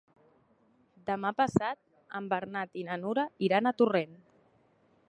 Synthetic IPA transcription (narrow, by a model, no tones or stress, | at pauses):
d̪əmapəsat̪̚ | əmbəɾnat̪inanuɾaiɾanat̪uren